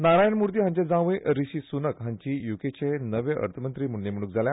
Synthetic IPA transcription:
naɾajənmuɾt̪iːɦãɲt͡ɕad͡zãʋẽʔɾiɕiːsunəkɦãɲt͡ɕiːjuket͡ɕenəʋẽʔə̰ɾt̪ʰəmənt̪ɾiːm̤əɽnem̤əɽ̃uːk̚d͡zʱaljã

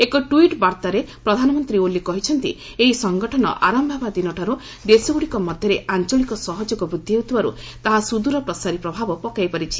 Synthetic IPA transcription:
ekɔʈuiʈbaɾt̪aɾepɾɔd̪ʱanɔmɔnt̪ɾiolikɔɦit͡ʃʰɔnt̪ḭ | eɦisɔŋɡɔʈʰɔnɔ̰ʔaɾambʱɔbad̪inɔʈʰaɾu | d̪esɔɡuɽikɔmɔd̪ʱjɔɾeʔant͡ʃɔɭikɔsɔɦɔd͡ʒɔɡɔbɾud̪ʱːieɦut̪ʰibaɾṵ | t̪aɦasud̪uɾɔpɾɔsaɾipɾɔbʱabɔpɔkajpaɾit͡ʃʰi̥

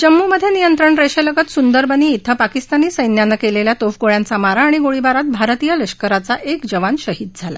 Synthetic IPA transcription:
d͡ʑəmːuməd̪ʱjenijənt̪ɾəɳɾeɕələɡət̪sund̪əɾbʱəniːt̪ʰːəpakist̪aniːsəjnjanəkeleljat̪ofɡoɭjãnt͡samaɾaːɽ̃iɡoɭibaɾat̪̚bʱaɾt̪ijələɕkəɾat͡saʔekd͡ʑəʋanɕəɦid̪̚d͡zʱala̰

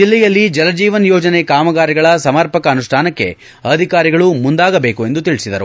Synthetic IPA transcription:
d͡ʒilːɛjɐlːid͡ʒɐlɐd͡ʒiːʋɐnjoːd͡ʒɐnekaːmɐɡaːɾiɡɐɭɐsɐmɐɾpɐkɐːnuʂʈʰaːnɐkːe̞̰ | ɐd̪ʱikaːɾiɡɐɭumund̪aːɡɐbe̞ːkue̞nd̪ut̪iɭisid̪ɐɾu

